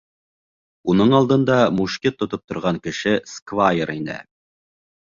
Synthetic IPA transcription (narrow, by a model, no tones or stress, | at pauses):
unɤɴɑlˠd̪ɤ̆nd̪ɑmuʃkʲit̪ːŏt̪op̚t̪ŏɾʁɑŋkɘ̆ʃɘskvajɾinɘ̰